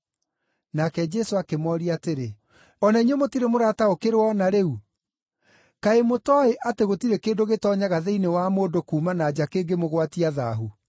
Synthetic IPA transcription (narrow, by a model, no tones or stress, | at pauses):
nakɛd͡ʒɛsoakemɔɾiateɾe | ɔnaiɲomotiɾemoɾataokeɾwɔnaɾeu | kaemotɔeʔateɣotiɾekeːndoɣetɔːɲaɣaðeinewamoːndokuːmanaːd͡ʑakeːŋɡemoɣwatiaða̰ɦu